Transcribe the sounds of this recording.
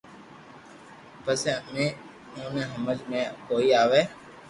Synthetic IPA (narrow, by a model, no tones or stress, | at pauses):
pəsemẽː | õːnẽːɦəməd͡ʒmẽːkoːiːaːʋeː